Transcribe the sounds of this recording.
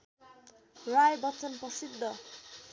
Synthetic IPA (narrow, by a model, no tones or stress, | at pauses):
rajbʌt͡sʌnprʌsid̪ʱːʌ